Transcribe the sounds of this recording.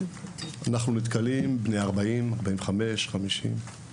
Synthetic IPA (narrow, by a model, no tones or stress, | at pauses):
anaχnunit̪kalimbnejaʁbaimaʁbaimveχame̞ʃχamiʃḭm